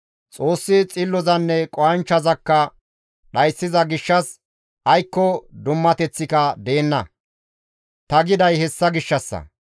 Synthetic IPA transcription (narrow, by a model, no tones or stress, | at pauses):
t͡sʼo̞ːsːɪt͡sʼɪlːɔzɐnːɛkʼɔɐnt͡ʃːɐzɐkːɐ | ɗɐjsːɪzɐɡɪʃːɐs | ʔɐjkːɔd̪ʊmːɐt̪ɛt͡sːɪkɐd̪e̞ːnːɐ̰ | t̪ɐɡɪd̪ɐjhɛsːɐɡɪʃːɐsːɐ̰